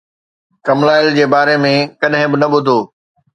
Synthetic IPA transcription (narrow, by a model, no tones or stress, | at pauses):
kɐmlaːɪld͡ʑeːbaːɾemẽkɐɗɦɪ̃bɪnɐɓʊd̪ʱoː